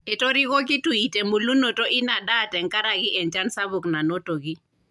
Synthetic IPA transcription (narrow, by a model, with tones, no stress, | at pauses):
e˨to˦ɾi˦kɔ˦ki˦tu˨i˨te˨mu˨lu˦no˨to˦ʔɪ˦na˨da˦˨tɛ˨ŋka˦ɾa˨ɡɪ˦ʔɛ˨nt͡ʃa˦nsa˦βu˨kna˨no˦to˨ɡi˦